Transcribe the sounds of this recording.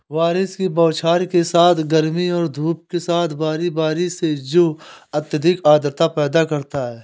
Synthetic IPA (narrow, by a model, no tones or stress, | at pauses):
ʋaːɾɪskibɔːt͡ʃʰaːɾkesaːt̪ʰɡɐɾmiɔːɾd̪ʱuːp̚kesaːt̪ʰbaːɾibaːɾised͡ʒoːɐt̪ːjəd̪ikaːd̪əɾt̪apɛːd̪akɐɾt̪aɦɛː